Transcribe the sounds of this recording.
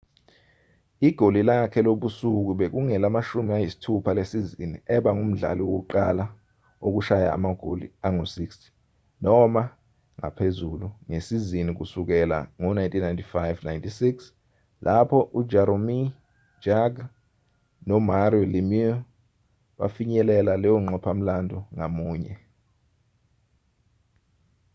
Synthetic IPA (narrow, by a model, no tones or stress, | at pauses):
iɡ̥ʱolilakʰɛloɓusuk̬uɓek̬uŋɛlamaʃumiajisi̥tʰupʰalesizinḭɛɓaŋum̩ɮa̰lɔwok̬uǃala | ok̬uʃaja̰ːmaɡ̥ʱo̰lḭaŋosikstʰi̥ | nɔma | ŋa̰pʰezuluŋesizinik̬usuk̬ɛla̰ŋɔnajntʼʰinːajntʰifajvnajntʰʼisiks | lʔapʰɔʔud͡ʒaɾomi̥ | d͡ʒaɡ | nɔmaɾiɔlimiɔ | ɓa̰fiɲɛlɛlalɛjɔŋ͡ǃɔpʰam̩landʱɔŋamuːɲɛ